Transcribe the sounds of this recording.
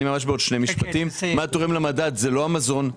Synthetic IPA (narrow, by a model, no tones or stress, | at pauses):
imamaʃ̬beo̞dʃne̞miʃpat̪immat̪oʁimlemadat̪zelo̞amazo̞n